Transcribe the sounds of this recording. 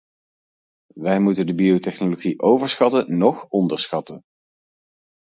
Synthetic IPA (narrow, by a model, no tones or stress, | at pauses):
ʋɛjmutəndəbiowtɛχnoloχiʔowvəɹsχɑtənɔχɔndəɹsχɑtən